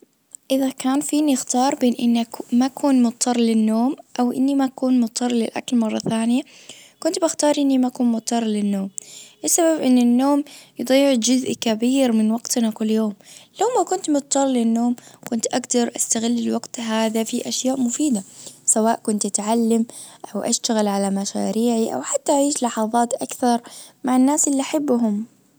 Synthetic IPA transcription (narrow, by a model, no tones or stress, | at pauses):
ʔɪðakaːnfiːnɪxt̪ɑːɾˤbeːnʔɪnːakmakʰuːnmʊt̪̚ˤʰːɑrˤːlɪnːoːmʔawʔɪ̰nːimakuːnmʊt̪ʰˤːɑrˤlɪlʔa̰klmɑrˤːɑθaːnɪjakʊnt̪bɪxt̪ɑːɾˤʔɪnːimakuːnmʊt̪ˤʰːɑrˤːlɪnːoːmlɪsːababʔɪnːɪnːoːmjɨd̪ˤiːʕd͡ʒʊzʔkabiːɾmɪnwɑɡ̥t̪nakʊlːjoːmlawmakʊnt̪mʊt̪t̪ːɑlˤlɪnːoːmkʊnt̪ʔaɡd̪ɑɾˤʔast̪aɣɪlːɪlwɑɡt̪ɦaːðafiʔaʃjaːʔmʊfiːd̪asawaːʔkʊnt̪ʔat̪ʕalːamʔawʔa̰ʃt̪aɣalʕalamaʃa̰ːɾiːʕiʔa̰wħat̪ːaʔaʕiːʃlɑħɑðˤɑːt̪ʔakθɑɾˤmaʕanːaːsʔɪlːiʔaħabːɦʊm